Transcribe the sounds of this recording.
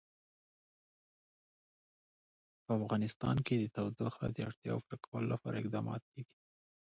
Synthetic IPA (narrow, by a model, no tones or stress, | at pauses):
pəafɣɑnɪst̪ɑ̰nked̪ət̪awd̪ʊxad̪əaɽt̪jɑ̰wfɾakʰawəlolapɑɾaɪqd̪ɑmɑ̰t̪̚keɡi̥